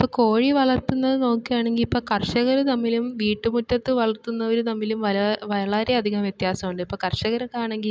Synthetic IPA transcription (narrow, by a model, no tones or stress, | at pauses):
ipːoko̞ːɻiʋɐɭɐt̪ːunːɐðɨno̞ːkːijaːɳe̞ŋɡilipːoːkɐrʂɐɣɐɾɨnɐmːilumʋiːʈːɨmutːɐt̪ːɨʋɐɭɐrt̪ːunːɐʋɐɾunɐmːilumʋɐlɐʋɐɭɐɾe̞ɐd̪ʱiɣɐmjet̪jaːsɐmuɳɖɨipːoːkɐrʂɐɣɐɾɐkaːɳe̞ŋɡil